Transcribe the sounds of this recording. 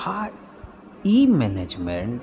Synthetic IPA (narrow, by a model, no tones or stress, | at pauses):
a | imɛned͡ʒmɛ̃ɳ